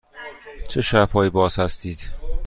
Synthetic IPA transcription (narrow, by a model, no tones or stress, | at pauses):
t͡ʃʰeʃæbhɒːjibɒːzhæst̪iːd̪̥